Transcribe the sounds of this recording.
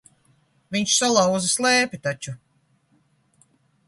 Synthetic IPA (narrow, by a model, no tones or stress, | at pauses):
viɲt͡ʃsalˠaw̪zaslˠeːpʲit̪at͡ʃu